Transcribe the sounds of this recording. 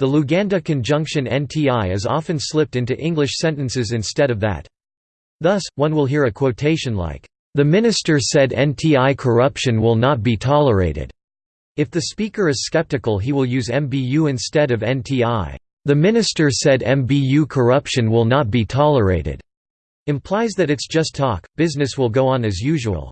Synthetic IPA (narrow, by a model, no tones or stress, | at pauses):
ðəluɡæ̃ndɨkʰɨ̃nd͡ʒʌ̃ŋkʃɨ̃nɛ̰̃ntʰiaɪɨzɑ̰fɨ̃nslɪp̚tɪ̃ntʉʔɪ̃ŋɡlɨʃsɛ̃ntɨ̃nsɨzɨ̃nstɛɾʌvðɨ̰t̪̚ | ðʌswʌ̃nwəlˠɦiɹɨkʰw̥oʊtʰeɪʃɨ̃nla̰ɪk | ðɨmɪ̃nɨstə˞sɛɾɛ̰̃mtʰiaɪkʰə˞ʌpʃɨ̃nwɪlˠnət̚b̥itʰɑlˠəḛɪɾɪ̰d̥ | ɨfðɨspikə˞ɨz̥skɛp̚tɨkl̩ˠɦiwəlˠjʉzɛ̃mbijʉɨ̃nstɛɾʌvɛ̃ntʰiaɪ | ðɨmɪ̃nɨstə˞sɛɾɛ̃mbijʉkʰə˞ʌpʃɨ̃nwɪlˠnət̚b̥itʰɑlˠə˞ḛɪɾɨ̰d̥ | ɨ̃mpʰl̥aɪzðɨɾɨtsd̥ʒ̥ʌstʰɔkb̥ɪznɨswəlˠɡoʊə̃nɨzjʉʒəwə̰lˠ